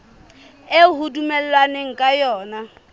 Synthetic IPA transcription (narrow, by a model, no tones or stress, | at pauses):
eɦudumɛl̩lwaneŋ̩kʼajɔːna